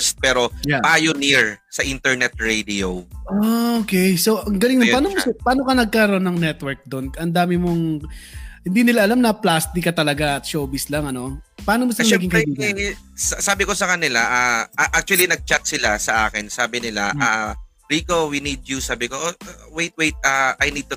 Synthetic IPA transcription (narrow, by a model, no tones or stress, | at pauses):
st̪̚pɛːɾo̞japaːjoniɹsɐʔint̪ɛɹnɛt̪̚ɹejd̪ioʔookɛjso̞ʔɐŋɡɐlɪŋnopaːnomʊspaːnokɐnɐɡ̚kɐɾɐʔonːɐŋnɛt̪wɛɹk̚d̪o̞nʔɐnd̪aːmɪmoŋ | hɪnd̪iːnɪlaʔɐlamnɐplaːst̪ɪkːɐt̪ɐlɐɡaʔɐt̪̚ʃoːbɪslɐŋɐno̞paaːnomʊst̪mɐɡɪŋkɐd̪iː | sɐsaːbɪko̞sɐkɐnɪlaʔaːaʔak̚t͡ʃʊɐlinɐɡ̚t͡ʃat̪̚sɪlasɐʔaːkɪnsaːbɪnɪla̰ʔa | ɾiːkowinid̪̚jusaːbɪkoʔwejt̪̚wejt̪̚ʔaʔɐjnid̪̚t̪ʊ